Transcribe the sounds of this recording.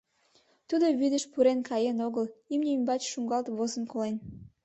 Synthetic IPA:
t̪ud̪oβyd̪əʃpuɾenkɑjenoɣəlimnʲeymʲbɑt͡ɕʃuŋɡɑlt̪βozə̆nkolen

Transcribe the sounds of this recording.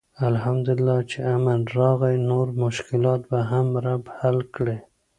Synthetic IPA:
alhamd̪ʊɪlːɑt͡ʃeamanɾɑɣajnoɾmʊʃkɪlɑt̪̚baɦamɾabhalkɽe

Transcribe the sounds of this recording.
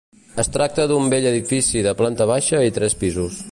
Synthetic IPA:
əst̪ɾak̚t̪əðumbeʎəðifisiðəplant̪əβ̞aʃəit̪ɾɛspizus

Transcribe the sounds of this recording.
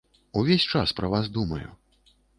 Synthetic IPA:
uvʲesʲt͡ʂaspɾɐvazd̪umɐjṵ

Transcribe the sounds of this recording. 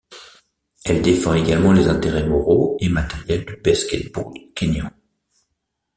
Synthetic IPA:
ɛld̪efɑ̃eɡalmɑ̃lezɛ̃t̪eʁɛmɔʁoemat̪ɛʁjɛld̪əbaskʲɛt̪̚buʁkʲenjɑ̃

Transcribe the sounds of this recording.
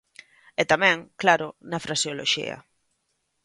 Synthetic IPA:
ɛt̪amɛ̃ŋklaɾʊnɐfɾasjolo̰ʃḭɐ̰

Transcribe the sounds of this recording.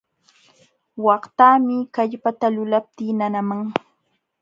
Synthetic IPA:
wɑχt̪aːmɪkaʎpat̪alʊlap̚t̪iːnanamaŋ

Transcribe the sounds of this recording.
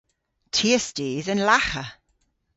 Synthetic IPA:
tʰiəsdiːðənlaχə

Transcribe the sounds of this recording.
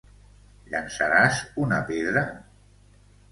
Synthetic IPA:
ʎansaɾazunapeðɾa

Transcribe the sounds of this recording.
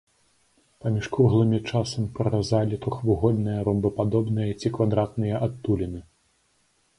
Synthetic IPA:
pɐmʲiʂkuɣlˠɨmʲit͡ʂasɐmʲpɾɐɾazalʲit̪ɾuxvɨɣɔd̪nɨjɐɾɔmbɨpad̪ɔbnɨjɐt͡sʲikvad̪ɾat̪nɨjɐʔat̪ːulʲinɨ

